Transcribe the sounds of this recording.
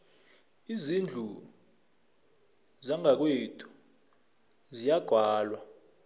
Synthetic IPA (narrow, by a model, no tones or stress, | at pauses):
izind͡ɮʱu | zaŋak̬wetʰu̥ | zijaɡ̥ʱwaːlwa